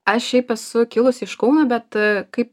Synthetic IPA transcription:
ɐʃʃʲɛɪpɛsʊkʲɪlˠʊsɪʃkɐʊnoːbʲɛt̪kɐɪp

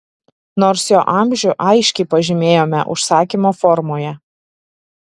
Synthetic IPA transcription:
noːɾsjoːʔɑˑmʲʒʲʊʔɑɪʃʲkʲɛɪpɐʒʲɪmʲeːjoːmʲɛ̰ʔʊ̰ʃsɑːkʲimoːfɔɾmoːjɛ

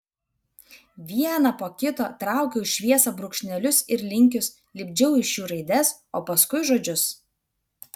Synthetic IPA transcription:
ʋʲiɛnɐpoːkʲɪt̪oːt̪ɾɑˑʊkʲɛʊʃʃʲʋʲiɛsɐbɾʊkʃʲnʲɛlʲʊsɪɾlʲɪŋʲkʲʊs | lʲɪbʲd͡ʒʲɛʊɪʃjuːɾɐɪd̪ʲɛs | oːpɐskʊɪʒoːd͡ʒʲʊs

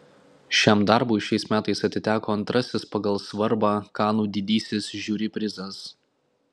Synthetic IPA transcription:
ʃʲæmd̪ɑɾbʊɪʃʲɛɪsmʲæːt̪ɐɪsɐt̪ʲɪt̪ʲæːkoːɐnt̪ɾɐsʲɪspɐɡɐlˠsʋɐɾbɑːkɑːnuːd̪ʲɪd̪ʲiːsʲɪsʒʲuːɾʲɪpʲɾʲɪzɐs

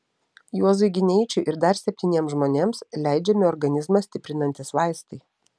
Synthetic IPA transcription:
juɔzʊɪɡʲɪnʲɛɪt͡ʃʲʊʔɪɾd̪ɐɾsʲɛpʲt̪ʲiːnʲiɛmsʒmoːnʲeːmslʲæˑɪd͡ʒʲɛmʲɪɔɾɡɐnʲɪzmɐsʲt̪ʲɪpʲɾʲɪnɐnʲt̪ʲɪsʋɑˑɪst̪ɐɪ

